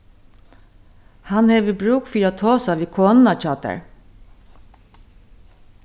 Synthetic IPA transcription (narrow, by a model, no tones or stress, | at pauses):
hɑnheːʋəbɾuːkfiːɾat̪ʰoːsaʋiːkʰoːnnɑt͡ʃɑːt̪ə̰ɹ